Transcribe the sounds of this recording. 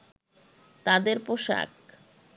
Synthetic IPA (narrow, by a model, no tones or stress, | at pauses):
t̪ad̪eɾpoʃa̰k